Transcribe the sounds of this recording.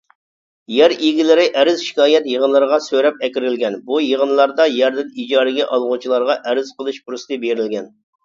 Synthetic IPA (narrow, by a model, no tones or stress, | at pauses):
jɛɾiɡʲilɪɾɪʔɛɾɪz̥ʃi̥kʲɑːjɛt̪jəʁənlˠɨɾəʁɑsøɾɛp̚ɛkʲiɾɪlɡʲɛnbujəʁənlˠɑɾd̪ɑjɛɾd̪ɪnid͡ʒɑːɾɨɡʲɛʔɑlˠʁʊt͡ʃʰilˠɑɾʁɑʔɛɾɪzqʰəlˠɨʃbuɾust̪ɨbeɾɪlɡʲɛn